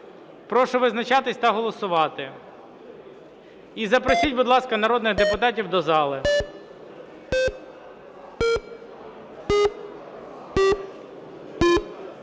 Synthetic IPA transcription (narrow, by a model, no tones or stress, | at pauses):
pɾɔʃʊʋɪznɐt͡ʃɑt̪ɪsʲt̪ɐɦɔlˠɔsʊʋɑt̪ɪ | izɐpɾɔsʲitʲbʊd̪lˠɑskɐnɐɾɔd̪nɪxd̪epʊt̪ɑtʲiwd̪ɔzɑlˠɪ